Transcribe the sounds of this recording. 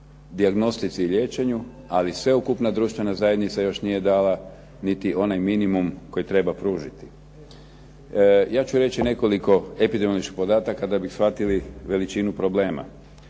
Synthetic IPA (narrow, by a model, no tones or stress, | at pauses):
d̪iaɡno̞st̪it̪siʎʲe̞ːt͡ʃe̞ɲu | alisʋe̞ukupnad̪ɾuːʃt̪ʋe̞nazajed̪nit̪sajo̞ʃnije̞d̪aːla | nit̪iʔo̞najminimumko̞jit̪ɾe̞bapɾuːʒit̪i̥ | jaːt͡ʃuɾe̞t͡ʃine̞ko̞liko̞epid̪emlit͡ʃki̥xpo̞d̪aːt̪akːad̪abixsfat̪iliʋe̞lit͡ʃinupɾo̞ble̞ːma̰